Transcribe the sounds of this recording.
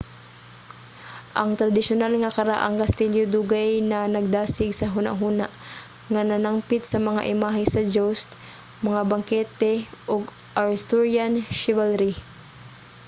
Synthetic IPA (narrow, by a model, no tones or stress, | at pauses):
ʔɐŋt̪ɾɐd̪ɪʃʊnalŋɐkɐɾaʔɐ̰ŋkɐst̪iljod̪uːɡajnɐnɐɡ̚d̪aːsɪɡsɐɦuna̰ʔɦuːnaʔ | ŋɐnɐnampɪt̪̚sɐmɐŋaʔɪmaːɦɪsɐd͡ʒowst̪ | mɐŋabɐŋkɛːt̪ɛʔoɡ | ʔaɹst̪oɹjanʃɪvɛlɾi